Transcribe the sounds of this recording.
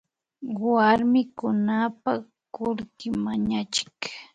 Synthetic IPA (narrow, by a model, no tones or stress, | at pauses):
waɾmɪkʊnapa | kʊɾkɪmaɲat͡ʃɪ̥k